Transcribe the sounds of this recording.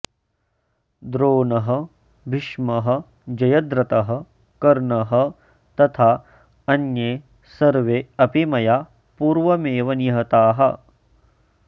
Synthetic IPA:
d̪ɾoːnɐɦɐ̆ | bʱiʃmɐɦɐ̆ | d͡ʒɐjɐd̪ɾɐt̪ɐɦɐ̆ | kɐɾɳɐɦɐ̆ | t̪ɐt̪ʰaː | ɐnjeː | sɐɾʋeɐpimɐja | puːɾʋɐmeːʋɐnjɐɦɐt̪aːɦɐ

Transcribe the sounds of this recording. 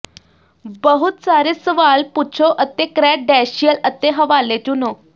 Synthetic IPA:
bəɦut̪saɾesʋalput͡ɕʰoʔət̪ːekɾɛʈ̚ɖɛɕijələt̪ːeɦəʋalet͡ɕuno

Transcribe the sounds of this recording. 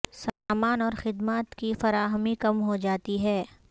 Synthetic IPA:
samaːnɔːɾxɪd̪maːt̪kifɐɾaːɦəmikɐmɦod͡ʒaːt̪iɦɛː

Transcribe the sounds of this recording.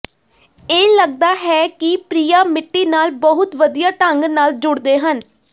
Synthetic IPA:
eːləɡ̚d̪aːɦɛːkɪpɾiːjaːmɪʈːiːnaːlbəɦʊt̪ʋəd̪ijaːʈəŋɡnaːld͡ʒʊɽd̪eːɦən

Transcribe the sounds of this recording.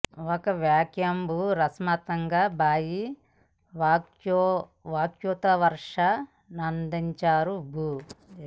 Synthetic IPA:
ɔkɐʋjaːkjɐmbʱuːɾɐsmat̪ɐŋɡaːbaːji | ʋaːkj | ʋaːkjut̪ɐʋɐɾʂɐ | nɐnd̪iɲt͡ʃaːɾubʱu

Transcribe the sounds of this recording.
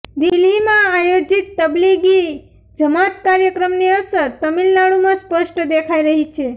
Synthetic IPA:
d̪ilimãajod͡ʒit̪ːəbliɡi | d͡ʒəmat̪kaɾjəkɾəmneəsəɾt̪əmilnaɭumãspəʃʈd̪ekʰaiɾəɦit͡ʃʰe

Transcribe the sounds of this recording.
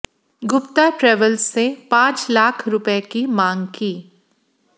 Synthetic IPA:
ɡʊpt̪aʈɾɛːʋəlsːepãːt͡ʃlaːkʰɾʊpekimãːŋɡkiː

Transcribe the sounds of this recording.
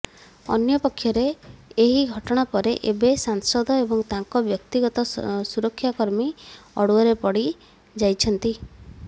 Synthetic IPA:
ɔ̰njɔpɔkʰːjɔɾeːɦiɡʱɔʈɔɽ̃apɔɾeʔebesansɔd̪ʱɔebɔŋt̪aŋkɔbjɔkt̪iɡɔt̪ɔsuɾɔkʰːjakɔɾmiɔɽuɔɾepɔɽi | d͡ʒajt͡ʃʰɔnt̪i

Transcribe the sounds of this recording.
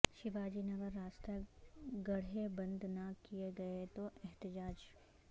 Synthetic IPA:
ʃɪʋaːd͡ʒinɐɡəɾːaːst̪eɡɐɽ̤ebɐ̃nd̪ʱnakijeɡɐet̪oɛɦt̪ɪd͡ʒaːd͡ʒ

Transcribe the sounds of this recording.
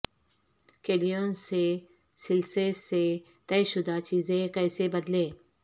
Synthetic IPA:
keːɖijoːnse | sɪlsese | t̪ɛːʃʊd̪at͡ʃiːzẽkɛːsebɐd̪lẽː

